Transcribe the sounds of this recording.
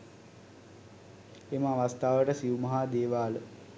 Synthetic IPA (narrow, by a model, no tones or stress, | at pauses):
eməaʋast̪aːʋəʈəsiumɐɦaːd̪eːʋaːlə